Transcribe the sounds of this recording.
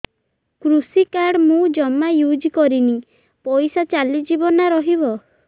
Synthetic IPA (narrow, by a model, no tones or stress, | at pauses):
kɾusikaɾɽmũd͡ʒɔmajud͡ʒikɔɾini | pɔjsat͡ʃalid͡ʒibɔnaɾɔɦibɔ